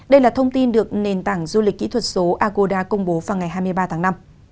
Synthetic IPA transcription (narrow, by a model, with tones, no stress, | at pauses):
ɗə˧jlaː˨˩t̪ʰə˧wŋ͡mt̪i˧nɗɨ˨˩ək̚ne˨˩nt̪aː˧˩ŋzu˧li˨˩k̟̚kḭ˧˥t̪ʰwə˨˩t̚so˨˦ʔaː˧ko˧ɗaː˧kə˧wŋ͡mɓo˨˦vaː˨˩wŋa˨˩jɦaː˧jm˧əjɓaː˧t̪ʰaː˨˦ŋna˧m